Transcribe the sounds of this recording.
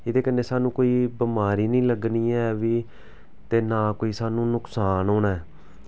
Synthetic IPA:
ɪd̪eːkənːeːsaːnũːkoːiːbəmaːɾiːnĩːləɡniːɛːʋiː | t̪eːnaːkoːiːsaːnũːnʊksaːnɦoːnaːɛː

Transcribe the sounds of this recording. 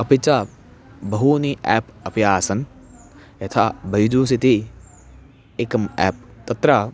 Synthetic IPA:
ɐpit͡ʃaː | bɐɦuːniʔɛːpɐpjaːsɐn | jɐt̪ʰaːbɐjd͡ʒuːsit̪i | ekɐmɛ̰ːp̚t̪ɐt̪ɾa

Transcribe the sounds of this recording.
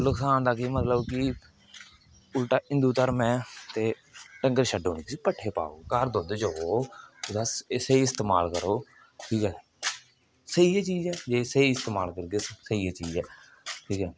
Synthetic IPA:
lʊksaːnd̪aːkiːmət̪ləbkɪ | ʊlʈaːɪ̃nd̪uːt̪əɾmɛ̃ːt̪eː | ʈəŋɡəɾʃəɖoːneːksiːpəʈʰːeːpa̰ːo̰ːkəɾd̪õːd̪eːd͡ʒoːoːʊd̪aseiɪst̪eːmaːlkəɾoː | ʈʰiːkɛː | səiːeːt͡ʃiːzɛːd͡ʒeːsəiːɪst̪eːmaːlkəɾɡesəieːt͡ʃiːd͡ʒɛː | ʈʰiːkɛː

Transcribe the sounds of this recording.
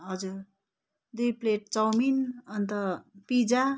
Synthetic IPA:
ɦʌd͡zuɾ | d̪ujpleʈ̚t͡sʌwminʌnt̪ʌpid͡za

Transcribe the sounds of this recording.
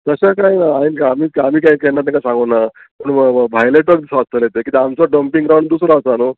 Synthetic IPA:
t̪əɕakajnaainkaːmiːam̤iːkaikɛnːat̪ãkasãŋɡəna | pəɳbʱajleʈək̚d̪isɔast̪əljet̪ekit̪eamt͡sɔɖəmpiŋɡɾawɳɖd̪usɾɔːsano

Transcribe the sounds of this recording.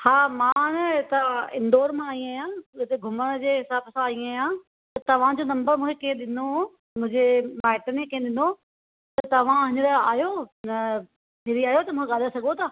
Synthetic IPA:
haːmãnɐt̪ɐɪ̰̃nd̪oːɾmãːĩaːjãːt̪eɡʱʊməɽ̃d͡ʑeːɦɪsaːbsãːĩaːjã | t̪ɐt̪ɐʋ̤ãd͡ʑoːnɐ̃mbəɾmũːkʰekiẽɗɪno | mʊ̃ɦɪ̃ɲd͡ʑemaːɪʈənẽkɐ̃ɗɪ̃nd̪o | t̪ɐt̪ɐʋ̤ãɦɪɲəɾaːjonɐ | mɪɾiaːɦjot̪ɐmũkʰeɠaːlasɐɡʱot̪ʰaː

